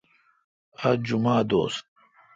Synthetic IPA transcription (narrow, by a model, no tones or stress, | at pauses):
ɐd͡ʑumaːd̪o̰ːs̚